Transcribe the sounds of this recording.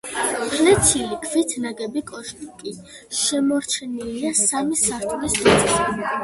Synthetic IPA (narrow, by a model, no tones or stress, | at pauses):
pʰnɛt̪sʰilikʰvit̪ʰnaɡɛbikʼɔʃt̪ʼkʼi | ʃɛmɔɾt͡ʃʰɛniliasamisaɾt̪ʰʼlisnat̪sʼɛʃi